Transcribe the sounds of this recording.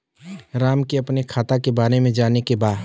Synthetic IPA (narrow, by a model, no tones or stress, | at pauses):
ɾaːmkeɐpnekʰaːt̪akebaːɾemẽd͡ʒaːnekebaː